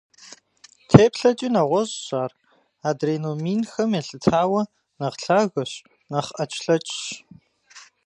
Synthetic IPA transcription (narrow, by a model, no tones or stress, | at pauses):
tʰeːpɬɐt͡ʃʼiːnɐʁʷɔʑɕaːr | aːdreːnomiːnxɐmeɬɨtʰaːwɐ | nɐʁɬʰaːɣɐɕ | nɐχʔɐt͡ʃʼɬɐt͡ʃʼʃ